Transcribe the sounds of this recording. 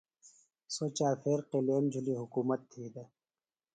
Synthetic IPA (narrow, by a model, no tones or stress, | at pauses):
sot͡ɕaːfʰeːɾqeleːmd͡ʑʱuliɦʊkuːmɐt̪ʰːiːd̪ɐ